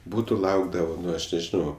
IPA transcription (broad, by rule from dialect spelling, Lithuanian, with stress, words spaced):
ˈbuːtʊ ˈlˠɐʊɡdɐʋɐ ˈnʊ ɐʃ nʲɛʒʲɪˈnɐʊ